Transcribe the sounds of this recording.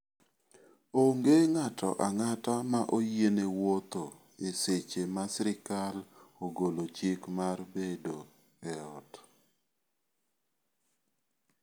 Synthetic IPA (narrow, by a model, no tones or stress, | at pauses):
oŋɡeŋatɔ̰ʔaŋatamaʔojenewot̪o | eset͡ʃemasɾɪkaloɡolot͡ʃɪkmarbedo | ɛɔt